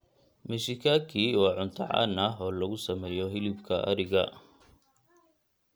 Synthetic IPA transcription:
mɪʃɪkʰaːkʰiːwɑːʕʊnt̪ʰɐ̰ʕɑ̰ːnɐɦɔːlɐɣʊsɐmɛːjɔɦɪlɪbkʰɐʔɐ̰ɾɪɣɐ

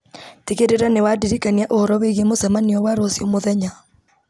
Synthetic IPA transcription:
tiɣeɾeɾanewadiɾikanijaʔohɔɾɔweɣemosɛmaniɔwaɾosjomoðɛɲa

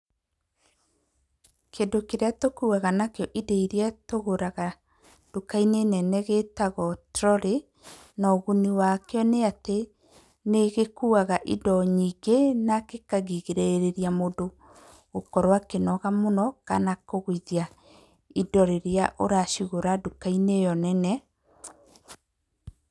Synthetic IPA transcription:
kʰendokeɾeatokuːaɣanakeɔʔideiɾeatoɣoɾaɣa | d̥okainenɛnɛɣetaɣɔtɾɔɾe | nɔɣuniwakeɔneate | neɣekuːaɣaʔidɔɲiːɡenakekaɣiɣeɾeɾeɾjamodo | ɣokɔɾwakenɔɣamonɔka̰nakoɣwiðja | idɔɾeɾeaʔoɾaʃiɣoɾadokainejɔnɛnɛ

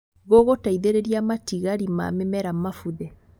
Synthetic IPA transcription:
ɣoɣotaiðeɾeɾiamatiɣaɾima̰mɛmɛɾamafuðɛ

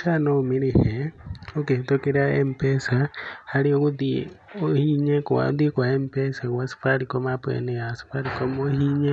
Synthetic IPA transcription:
sanoumiɾiheoket̪okiɾaḛmpesahaliokudiohiɲekua̰d̪ikwaempesakwasi̥faɾikomapwḛnejasi̥faɾikomohiɲe

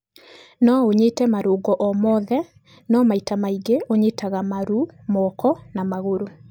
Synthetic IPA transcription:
nɔoɲetɛmaɾoːɡɔʔɔmɔðɛ | nɔmaitamaiɡeoɲetʰaɣamaɾumɔːkʰɔnamaɣoɾo

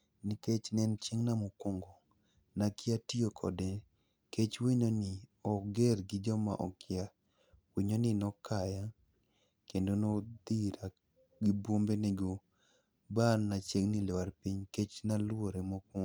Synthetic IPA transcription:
niket͡ʃnɛnt͡ʃeŋnamokoŋɡo | nakɪatiokʰɔ̰de | ket͡ʃwiɲonɪɔɡerɡɪd͡ʒɔma̰ʔɔ̰kɪa | wiɲonɪnɔkaja | kendonod̪iɾa | ɡibwombeneɡo | bannat͡ʃeŋnilɛwaɾpiɲket͡ʃnalwoɾemokoŋ

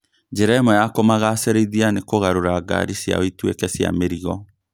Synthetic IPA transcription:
d͡ʑeɾɛmɔjakomaɣaseɾeiðianekoɣaɾoɾaːɡa̰ɾisja̰oitwekɛsja̰meɾiɣɔ

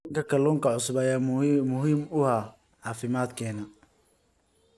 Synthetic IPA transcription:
ɐŋkʰɐkʰɐluːŋkʰɐʕʊsʊβajaːmmʊɦiːmʊha | ʕɑːfɪmaːd̪kʰɛːnɐ

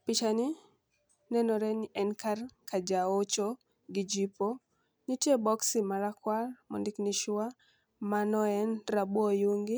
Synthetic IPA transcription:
pɪt͡ʃani | nɛnɔɾɛnɪʔɛnkarkad͡ʒaot͡ʃo | ɡɪd͡ʒipo | nitjebɔksimaɾakwalmɔ̰ndɪkniʃʊwa | manɔɛnrabwɔjuŋɡɪ

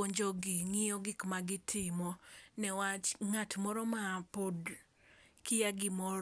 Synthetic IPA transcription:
oɲd͡ʒoɡɪŋɪjɔɡɪkmaɡɪtʰɪmɔnɛwat͡ʃŋatmɔɾɔmapod | kijaɡɪmɔɾ

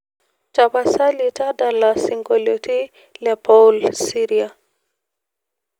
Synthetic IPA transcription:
tapasalitadalasiŋɡɔloti | lɛpɔlsiɾia

